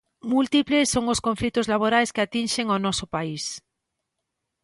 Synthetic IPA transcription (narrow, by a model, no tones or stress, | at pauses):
mult̪iplesːoŋʊskõɱflit̪ʊzlaβ̞oɾajskɪat̪inʃeŋonɔsʊpais